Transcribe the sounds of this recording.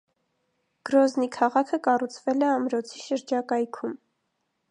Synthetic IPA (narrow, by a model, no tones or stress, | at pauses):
ɡ̥əɾɔznikʰɑʁɑkʰəkɑrut͡sʰvɛlɛɑmɾɔt͡sʰiʃəɾd͡ʒɑkɑjkʰum